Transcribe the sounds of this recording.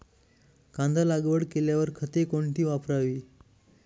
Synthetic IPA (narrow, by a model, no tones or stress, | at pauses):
kãnd̪alaɡʋəɽkeljaʋəɾkʰət̪ekoɳʈiːʋapɾaʋiː